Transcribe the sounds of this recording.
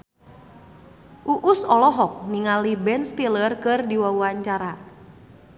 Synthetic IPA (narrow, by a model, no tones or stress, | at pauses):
ʔuʔusɔlɔɦɔk̚niŋalibɛnst̪ilərkɨrdiwauaɲt͡ʃaɾa